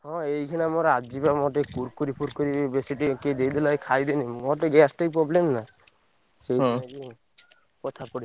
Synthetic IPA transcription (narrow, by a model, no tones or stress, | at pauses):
hɔ̃ejkʰinamɔɾad͡ʒibamɔʈekuɾkuɾipʰuɾkɔɾibesiʈiked̪ejd̪ilajkʰajd̪enimɔʈeɡɛsʈejpɾɔblemna | sejd̪aɡi | kɔt̪ʰapɔɽi